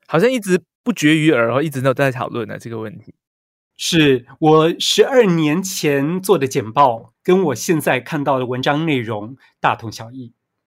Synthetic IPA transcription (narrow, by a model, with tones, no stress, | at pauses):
xɑ˨˩ʊɕjɑ˥˧ŋi˥˩ʈ͡ʂɻ̩˧˥ | pu˥˩t͡ɕɥɛ˧˥y˧˥ə˞˧˥xo˥˧ʊi˥˩ʈ͡ʂɻ̩˧˥e˥˧˥ʊ˩t͡sa˥˧ɪt̪ʰɑ̰˨˩ʊlwə˥˩nə̰˨˩ʈ͡ʂɤ˥˩ɡə˩wə˥˩nt̪ʰi˧˥˦ | ʂɻ̩˥˩wɔ˨˩ʂɻ̩˧˥ə˞˥˩njɛ˧˥nt͡ɕʰjɛ˧˥nt͡swɔ˥˩d̪ə˩t͡ɕjɛ˨˩npɑ˥˩ʊkə˥nwɔ˨˩ɕjɛ˥˧nt͡sa˥˧ɪkʰa˥˧nt̪ɑ˥˩ʊd̪ə˩wə˧˦˥nʈ͡ʂɑ˥ŋne˥˩ɪɻʊ˧˥ŋ | t̪a˥˩t̪ʰʊ˧˥ŋɕjɑ˨˩ʊi˥˩